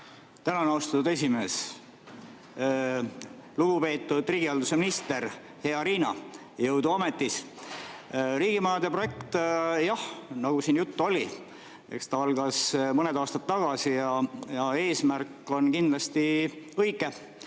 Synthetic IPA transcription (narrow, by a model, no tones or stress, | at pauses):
t̪ænɑnɑwst̪ɑt̪ud̪e̞sʲime̞ːs | luɡ̥upe̞ːt̪ːˑud̪̥riːɡ̥iɑld̪use̞minist̪e̞ɾ | he̞ɑɾiːnɑ | jɤwd̪uɑme̞t̪ːˑis | ɾiːɡ̥imɑːd̪epro̞je̞kt̪jɑhnɑɡ̥usiːnjut̪ːo̞lʲi | e̞̰kst̪ɑɑlɡ̥ɑsmɤned̪ɑːst̪ɑt̪ːɑɡ̥ɑsijɑjɑe̞ːsmærkːˑo̞nkind̪̥lɑst̪iɤjɡˑe̞